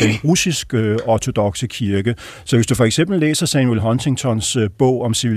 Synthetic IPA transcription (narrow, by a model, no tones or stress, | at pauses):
enʁusisɡ̥ɒt͡sʰo̝d̥ɒ̽ɡ̥səkʰiɐɡ̥ə | sɒ̽ʋe̝sd̥ufɒ̽eɡ̥sem̰b̥l̩ːḛːsɐsɛnuelɦɒ̽nsʰeŋt͡sʰɒnsb̥ɔ̽ʊ̰ɒ̽msiʋi